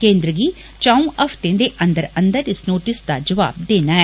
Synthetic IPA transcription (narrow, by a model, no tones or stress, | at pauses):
kẽːnd̪ɾəɡiː | t͡ʃaːũːʔəfʰt̪ẽːd̪eːʔə̃nd̪əɾə̃nd̪əɾɪsnoːʈɪsd̪a̰ːd͡ʒəʋa̰ːb̚d̪eːnaːɛː